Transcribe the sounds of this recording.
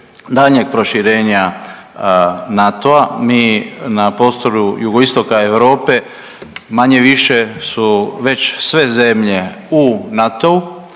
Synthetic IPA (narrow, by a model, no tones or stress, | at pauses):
d̪aʎɲeɡ̚pɾo̞ʃiɾe̞ːɲa | nat̪o̞amiːnapo̞st̪o̞ɾujuɡo̞ist̪o̞kae̞ʋɾo̞ːpe̞ | maɲe̞ʋiʃe̞suʋe̞t͡ɕsʋe̞ze̞mʎe̞ | unat̪o̞u